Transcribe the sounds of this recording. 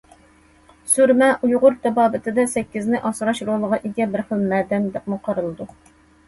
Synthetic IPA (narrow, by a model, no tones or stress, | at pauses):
suɾmɛʔujʁʊɾt̪ʰɛbɑːbɪt̪ʰɪd̪ɛsɛkʲːɪznɪʔɑsɾɑʃɾolˠəʁɑʔeɡʲɛbɪɾχɪlˠmɛːd̪ɛmd̪ɛp̚muqʰɑɾɨlˠɨd̪u